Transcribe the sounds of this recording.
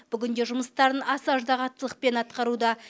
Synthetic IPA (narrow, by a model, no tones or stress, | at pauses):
b̥ʏɡʲɪnd̪eʒʊməst̪ɑɾənɑsɑʒd̪ɑʁɑt̪ːəlˠəq̚pe̞nɑt̪qɑɾud̪ɑ